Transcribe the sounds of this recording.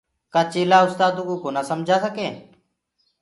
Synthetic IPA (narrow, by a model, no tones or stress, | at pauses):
kaːt͡ʃeːlaːʊst̪aːd̪uːkuːkoːnaːsəmd͡ʒʱaːsəkẽː